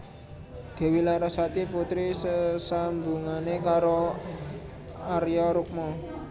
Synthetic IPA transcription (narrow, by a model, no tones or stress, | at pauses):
d̪̥e̤wilaɾasat̪iput̪ɾisəsambuŋanekaɾo | aɾjɔɾuk̚mɔ